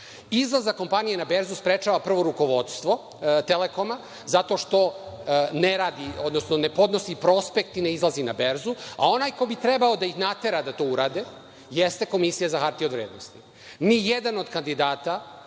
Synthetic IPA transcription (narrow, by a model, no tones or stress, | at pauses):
izlˠazako̞mpanijenabe̞ɾzuspɾet͡ʃaːʋapr̩ʋo̞ɾuko̞ʋo̞d̪st̪ʋo̞ | t̪eleko̞ma | zat̪o̞ʃt̪o̞neɾaːd̪iod̪no̞snone̞po̞d̪no̞sipɾo̞spekt̪ineizlˠazinabe̞ɾzua̰o̞naːjko̞bit̪ɾe̞baod̪aixnat̪e̞ɾad̪at̪o̞uɾaːd̪e | jest̪e̞ko̞misijazaxaɾt̪iod̪ʋɾeːd̪nost̪i | nijed̪ano̞d̪kand̪id̪aːt̪a